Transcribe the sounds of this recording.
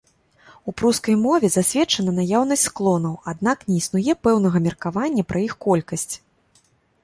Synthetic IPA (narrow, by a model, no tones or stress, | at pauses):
upɾuskɐjmɔvʲɛzasʲvʲɛt͡ʂɐnɐnajawn̪ɐsʲtʲsklˠɔn̪ɐwad̪̚naknʲɛisnujɛpɛwn̪ɐɣɐmʲɛrkavanʲːɐpɾʔɐixkɔlʲkɐsʲt͡sʲ